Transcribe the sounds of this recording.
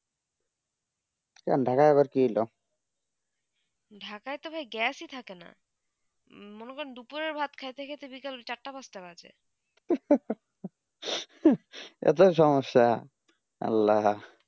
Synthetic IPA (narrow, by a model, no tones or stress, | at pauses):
kɛ̰nɖʱakaaβaɾkilo | ɖʱakajt̪obʱajɡɛsit̪ʰakena̰ | monekɔɾend̪upuɾeɾbʱat̪kʰajt̪ʰekʰet̪ʰebikalt͡ɕaʈːapasʈabad͡ʑḛ | ɛ̰t̪̬oʃ̬ɔmoʃːa | a̰lːa